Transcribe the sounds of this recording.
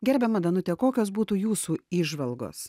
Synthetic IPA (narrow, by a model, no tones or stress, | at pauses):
ɡʲɛɾʲbʲɛmɐd̪ɐnʊt̪ʲɛkoːkʲoːsbuːt̪uːjuːsuːiːʒʋɐlˠɡo̰ːs